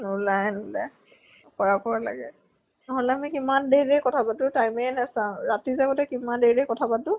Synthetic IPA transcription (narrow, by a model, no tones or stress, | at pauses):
nulajnulaj | kɔɹakɔɹala̰ɡɛ | nɔɦɔlɛamikimandejdekɔtʰabatʊtajmenasãʊ̃ɹatizaɡɔtɛkimandeɹekɔtʰabatʊ̃